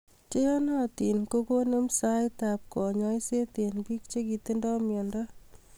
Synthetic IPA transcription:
t͡ʃe˦jɔ˦na˦ti˨nko˦ko˦no˦msa˦jtap̚kɔ˨ɲɔ˦jse˦te˨npi˦k̚t͡ʃe˦ki˨te˦ndɔ˦mjɔ˨ndɔ

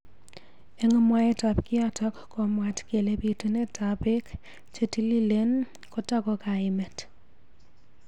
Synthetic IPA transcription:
e˦ŋɔ˦mwa˦e˦ta˨pkɪ˦a˦tɔ˦kːo˨mwa˨tke˨le˦pi˦tu˦ne˦tʰape˦k | t͡ʃe˦ti˦li˦le˦n | ko˦ta˦ko˨ka˨ɪme˨t

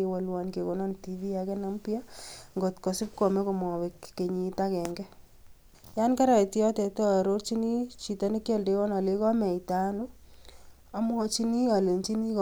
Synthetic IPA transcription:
e˨wa˨lwa˨nke˨ko˨nɔ˦nti˨vi˦ja˨kɛ˦na˦mpja˦ŋɡɔ˨tkɔ˨sɪ˦p̚kɔ˨mɛ˦ko˨mɔ˨we˨kːe˨ɲi˨˦ta˦kɛ˨ŋɡɛ˦ | ja˦nka˦ɾa˨i˨ti˦ɔ˦tɛ˨tɔ˦˨ɾo˦rt͡ʃi˦ni˦t͡ʃi˨ta˦ne˦kjɔ˦lde˦wɔ˦na˨le˦kɔ˦mɛ˨ita˦nu˦ | a˨mwɔ˦t͡ʃi˦ni˦a˨le˨nt͡ʃi˦ni˦k

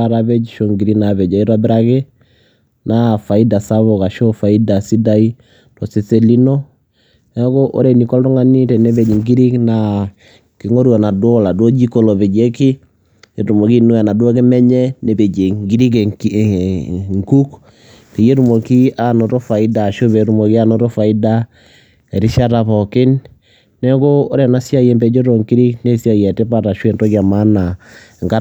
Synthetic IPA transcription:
a˨ɾa˦bɛ˦d͡ʒʃo˨ŋɡi˨ɾi˦na˨βɛ˨d͡ʒa˨i˦ɾa˦bɪ˦ɾa˦ke˦ | na˦fa˨i˦da˨sa˦βɔ˨ka˨ʃo˦fa˨i˦da˨si˦da˦i˦ | tɔ˨se˨se˦li˦nɔ˦ | ɛ˦ko˦ʔo̰˦ɾɛ˨ni˨kɔ˦ltɔ˦ŋa˦ni˦tɛ˨nɛ˦βɛ˨d͡ʒi˨ŋɡi˦ɾi˦kna | ke˨ŋo˦ɾwa˨na˨do˦la˨do˦d͡ʒi˦ko˦˨lɔ˨βɛ˨d͡ʒe˦kɪ˦ | je˨tu˨mɔ˨ki˦nu˦a˨na˨dwo˦k̬e˦mɛ˦ɲɛ˦ne˨be˨d͡ʒe˨ŋɡi˦ɾi˦ke˨ | ŋku˦k | te˨je˦tu˨mo˨ki˦a˦no˨to˦fa˨i˦da˨ʃo˦βɛ˨ɾu˦mɔ˨ki˦a˦no˦to˦fa˨i˦da˦ | ɛ˨ɾi˦ʃa˦ta˨pɔ˨kɪ˦nː | ɛ˦koː˦ɾɛ˨na˦sja˦je˨mbɛ˨d͡ʒo˦ɾo˨ŋki˦ɾi˦kne˦sja˦˨jɛ˨te˦pa˦˨ta˨ʃwe˨nto˦ka˨ma˦na˨ | ŋka˦

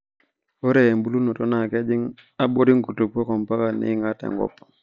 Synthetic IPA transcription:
o˦ɾe˨e˨mbu˦lu˦no˨to˦na˨ke˦d͡ʒi˦ŋ | a˦bo˦ɾi˦ŋku˨tu˨pːo˦ko˨mpa˦ka˨nḭ˦ŋa˦tḛ˨ŋɡɔ̰˦pːa˨

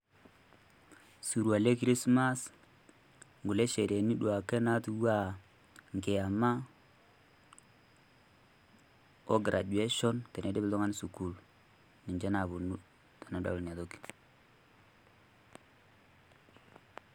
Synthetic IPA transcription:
su˨ɾwa˨le˦kɾi˦sma˦s | ŋɡu˨le˦ʃe˨ɾe˨ni˦ɗu˨a˨ke˦na˦tu˦wa˦ | ŋɡe˨a˨ma˦ | o˦ɡɾʔa˨d͡ʒwe˦ʃɔ˦nte˨n˨e˨de˦bɪ˨ldɔ˦ŋa˦n˦su˨ku˦l | ni˨ɲd͡ʒe˦na˨bu˨nu˦ | ta˨na˨˦da̰˨a˨to˦ki̥˨

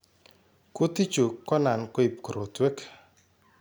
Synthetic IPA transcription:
ko˦t̪i˦t͡ʃo˨kɔ˦na˨nko˦i˨p̚ko˨ɾʔo˨twe˦k

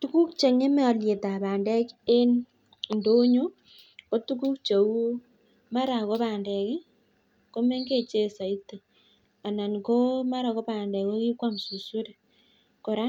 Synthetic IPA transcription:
tu˦ku˦k̚t͡ʃe˨ŋe˦me˦ɔ˨lje˨ta˨βaː˨ndɛ˦ke˦n | ndo˦ɲo˦ | ko˦tu˦ku˦k̚t͡ʃe˨u˦ | ma˦ɾa˨ko˦βa˨ndɛ˨kɪ˦ | ko˦me˦ŋɡe˦˨t͡ʃe˦sa˨i˦te˨ | a˨na˨ŋko˦ma˦ɾa˨ko˦pa˨ndɛ˨ko˦ki˦kwa˦m˨su˨su˦ɾe˨ | ko˨ɾa˦

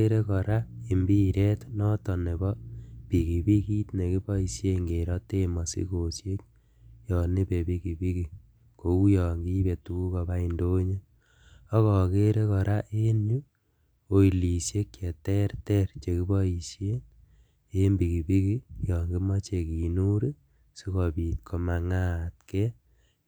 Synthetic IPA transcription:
e˦ɾe˦kɔ˨ɾa˦e˨mbi˦ɾɛ˦tnɔ˦tɔ˨ne˨bɔ˦pi˨ki˨bi˦ki˦tne˨ki˦bɔ˦i˨sje˦ŋɡe˨ɾɔ˦te˦ma˨sḭ˦ko˨sje˦k̚ | jɔ˨ni˦pe˨pi˦ki˨pi˦ki˨ | ko˨u˦jɔː˨ŋɡi˦be˨tu˦ku˦kɔ˨ba˦i˨ndo˦ɲe˦ | ɔ˦kɔ˨ke˦ɾe˦kɔ˨ɾa˦ʔe˦nu˦ | o˨i˨li˨sje˦kjɛ˨tɛ˦ɾtɛ˦ɾt͡ʃe˨ki˦bɔ˦i˨sje˦ŋ | e˦mbi˨ki˨pi˦ki˦jɔ˨ŋɡi˦mɔ˦t͡ʃe˨ki˨nu˦ɾi˦ | si˦kɔ˨pi˨tkʰo˨ma˨ŋa˦˨tke˦

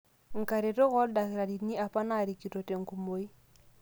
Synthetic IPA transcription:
ŋ̩˨ka˨ɾe˨tɔ˦kɔ˦lda˨kɪ˨ɾa˨di˨tni˦a˨pa˦na˦˨ɾi˨ki˨to˨te˨ŋ̩˨ku˨mo˨˦i˦

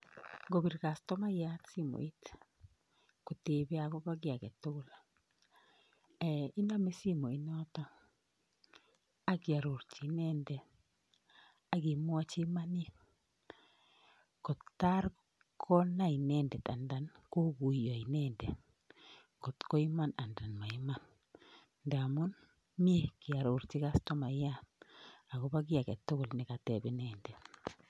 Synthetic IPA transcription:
ɡo˨bi˨ɾka˨stɔ˦ma˦ja˦tsi˦mo̰˨i˦t | ko˨te˨be˦a˨kɔ˦βa˦ɡɪ˦a˨kɛ˨to˦la˨ | ɛ˨i˦nda˦me˦si˦mo˨i˨˦nɔ˦tɔ˦ | a˦ɡja˨ɾo˨ɾt͡ʃi˨nɛ˦ndɛ˨ | a˦ɡi˨mwa˦t͡ʃi˦ma˦ni˦ | kɔ˨ttːa˦ɾ | kʰɔ˦na˦i˨nɛ˦ndɛ˨ta˨nda˨nko˦ku˨jɔ˨i˨nɛ˦ndɛ˨ | kɔ˨tkɔ˦i˦ma˦na˨nda˨nma˨i˦ma˦nː | da˨mɔ˦n | mi˦e˦ki˨a˨ɾo˨ɾt͡ʃi˦ka˦stɔ˦ma˨ja˦na˨ko˦pa˦k̬ɪ˦a˨kɛ˨tːʊ˦kɔ˨lnɪ˨ka˨tɛ˨bɪ˨nɛːndɛ˨

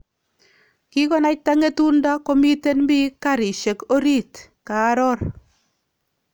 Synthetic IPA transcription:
ki˦kɔ˦na˦ta˦ŋe˦tu˦nda˦ko˦mi˦te˦nmbi˦ka˦˨ɾi˨ʃe˨ko˦ɾi˦˨t | kaː˨˦ɾɔ˦ɾ

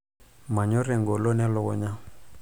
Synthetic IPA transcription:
ma˨ɲɔ˦rɛ˨ŋɡɔ˨lo˦nɛ˦lɔː˨˦ɲa˦

